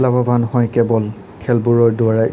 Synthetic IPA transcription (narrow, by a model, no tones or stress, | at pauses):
labʱabʱanhɔjkɛbɔl | kʰɛlbuɹɔɹdʊaɹa